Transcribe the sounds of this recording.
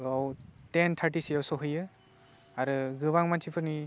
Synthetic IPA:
awtentʰaʈisijawsɔɦɯjɯ | aɾɯɡɯβaŋmant͡ʃipʰɯni

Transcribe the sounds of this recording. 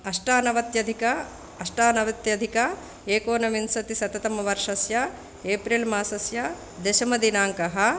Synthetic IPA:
ɐʂʈaːnɐʋɐt̪jɐd̪ʱikɐ | ɐʂʈaːnɐʋɐt̪jɐd̪ʱikɐ | eːkoːnɐʋinsɐt̪isɐt̪ɐt̪ɐmɐʋɐɾʂɐsjɐ | eːpɾilmaːsɐsjɐ | d̪eʃɐmɐd̪inaːŋkɐɦɐ̆

